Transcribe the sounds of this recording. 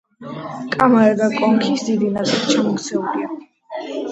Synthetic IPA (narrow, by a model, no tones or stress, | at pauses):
kʼamaɾɛɡakʼɔŋkʰisd̪id̪inat̪sʼilˠt͡ʃʰamɔkt̪sʰɛlia